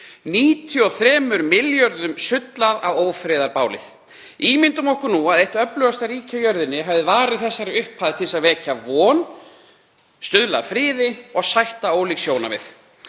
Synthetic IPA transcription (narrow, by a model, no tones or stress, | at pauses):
niːt̪ʰjʏɔθɾɛːmʏɾmɪljœɾðʏmsʏt̪laðavoːwfɾɪːðaɾpaːwlɪ̰θ | iːmɪnt̪ʏmɔhkʏɾnuaðejht̪œplœɣast̪aɾiːcajœɾðʏnːɪɦavðɪvaːɾɪðθɛsːaɾɪʏhphaːðɪt̪ʰɪlsaðvɛːcavɔːn | st̪ʏðlaðfɾɪːðɪɔɣsajht̪aoːwliːksjoːwna̰vɪ̰θ